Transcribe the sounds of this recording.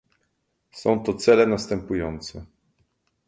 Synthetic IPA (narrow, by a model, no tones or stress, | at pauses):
sɔ̃w̃t̪ɔt̪sɛlɛnast̪ɛmpujɔnt̪sɛ